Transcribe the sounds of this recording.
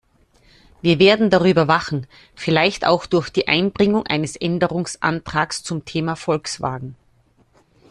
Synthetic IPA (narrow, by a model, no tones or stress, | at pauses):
viːɐveːɐdn̩daʁyːbɐvaχn̩ | fɪlaɪçta̰ʊxd̥ʊɐxd̥iːʔa̰ɪnbʁɪŋʊŋʔa̰ɪnəsʔɛndəʁʊŋsʔa̰ntʁ̥aːkst͡sʊmtʰeːmafɔlksv̥a̰ːɡŋ̩